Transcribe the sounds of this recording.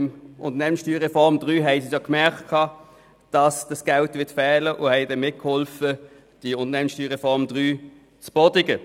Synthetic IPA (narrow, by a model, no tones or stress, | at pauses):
ʊ̰ntənɛːmənsʃtyːʁɛfɔʁmd̥ʁyːɦɛɪsisokmɛʁktkʰɑː | d̥ɑsd̥ɑsɡ̥aʊtvɪɐtfɛːləʔʊhɛɪdɛnmɪt̚khɔlfə | d̥iʊntənɛːmənsʃtyːʁɛfɔʁmd̥ʁyː | t͡sb̥ɔdɪɡə